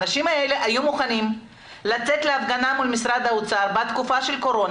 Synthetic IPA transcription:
naʃimae̞le̞ʔajumuχanim | lat͡se̞t̪leafɡanamulmisʁad̪aut͡saɾbat̪kufaʃe̞lko̞ɾo̞n

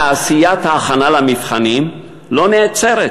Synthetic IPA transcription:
asijat̪haːχanalamifχanim | lo̞net͡seʁe

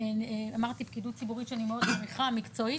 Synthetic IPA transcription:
amaʁt̪ipkidut̚t͡sibuʁitʃeanimeo̞d̪maʁiχamikt͡so̞i

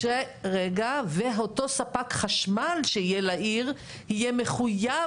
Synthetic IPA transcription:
eʁeɡaveɦoto̞sapakχaʃmalʃeijelaʔiʁ | hijeme̞χuja

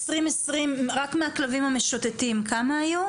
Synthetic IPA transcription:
sʁimesʁimʁakmeaklavimameʃot̪etimkamaːju

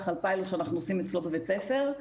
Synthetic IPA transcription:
χalpajloʃeanaχnuosimet͡slo̞bevet͡sefe̞ʁ

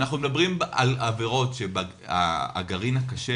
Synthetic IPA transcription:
naχnumed̪abʁima̰laveʁo̞tʃeba | a̰a̰ɡaʁinakaʃe

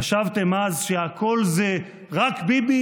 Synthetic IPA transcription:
aʃavt̪e̞mazʃehakʰo̞lze | ʁakbibi

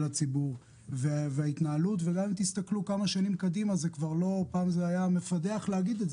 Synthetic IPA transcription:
lat͡sibuʁ | veveait̪naalut̪veɡamimt̪ist̪aklukamaʃanimkad̪imazekvaʁlo̞paːmzeajame̞fade̞aχleaɡid̪etz

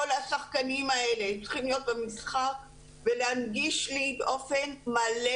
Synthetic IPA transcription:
olhasaχkanimae̞leːmtt͡sʁ̥i̥χimlijo̞t̪̚bemisχak | veleanɡiʃlibeʔo̞fe̞nmale

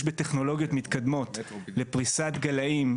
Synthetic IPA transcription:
ʃbet̪eχno̞lo̞ɡjo̞t̪mit̪kad̪mo̞t̪le̞pʁisat̪ɡalaim

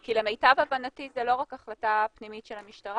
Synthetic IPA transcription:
kilemejtavabanatizɛlo̞ʁakaχlatapnimitʃelhamiʃtaʁa

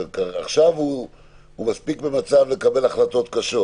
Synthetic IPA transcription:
kaa̰χʃavu | humaspikbemat͡savle̞kabe̞laχlat̪o̞t̪kaʃo̞

